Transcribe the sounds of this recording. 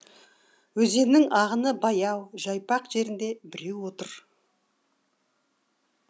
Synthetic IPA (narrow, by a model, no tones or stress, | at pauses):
wɵze̞ɾnɪŋɑʁənəbɑjɑwʒɑjpɑqʒe̞ɾɪnd̪e̞bɪɾe̞wwo̞t̪əɾ